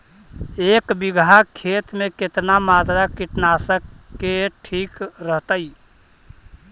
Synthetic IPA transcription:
ekbiɡʱakʰet̪meket̪namat̪ɾakiʈnasəkːeʈʰikɾəɦt̪əi

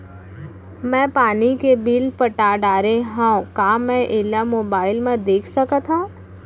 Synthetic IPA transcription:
mɛ̃ːpaːnikebiːlpəʈaːɖaːɾeɦãkaːmɛ̃ʔɪːlamoːbaːɪlmẽd̪eːkʰsɐkət̪ɦã

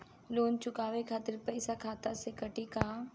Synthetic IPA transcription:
loːnt͡ʃʊkaːʋekʰaːt̪ɪɾpɐɪsakʰaːt̪asekɐʈikaː

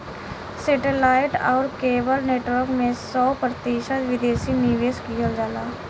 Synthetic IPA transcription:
seːʈelaːɪʈɔːɾkeːbəlneːʈʋəɾkmẽsɔːpɾət̪iːʃət̪ʋɪd̪eːsiniʋeːskiɦəld͡ʒaːlaː

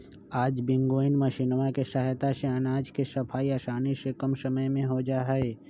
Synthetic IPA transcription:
aːd͡ʒbɪ̃ŋɡoːɪnməʃinmakesaɦjt̪aseənaːd͡ʒkesɐpʰaːiɐʃaːnisekəmsɐməjmẽɦod͡ʒaːɦeː

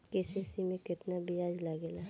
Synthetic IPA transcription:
keːsesimẽkɪt̪nabiaːd͡ʒlaɡelaː

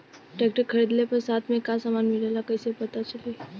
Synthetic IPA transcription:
ʈeːkʈəɾkʰːəɾiːd̪lepɐɾsaːt̪ʰmẽkasaːmaːnmɪlelakəisepɐt̪at͡ʃəleː

